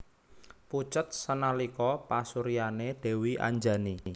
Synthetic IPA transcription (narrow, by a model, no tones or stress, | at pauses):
put͡ʃət̪̚sənalikɔpasuɾianed̪̥e̤wiʔa̰ɲd͡ʒani